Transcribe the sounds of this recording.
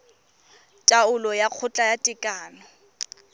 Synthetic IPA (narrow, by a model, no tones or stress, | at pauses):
tʼaʊlɔjaq͡χʰʊt͡ɬʼajatʼɪkʼaːnɔ